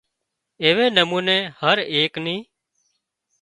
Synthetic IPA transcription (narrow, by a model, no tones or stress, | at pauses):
eːʋeːnəmuːneːhəɾeːknĩː